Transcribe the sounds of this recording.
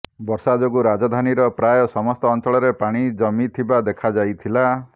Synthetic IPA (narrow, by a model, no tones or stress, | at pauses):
bɔɾsad͡ʒoɡuɾad͡ʒɔd̪ʱaniɾɔpɾajɔsɔmɔst̪ɔːnt͡ʃɔɭɔɾepaɽ̃id͡ʒɔmit̪ʰibad̪ekʰad͡ʒajt̪ʰila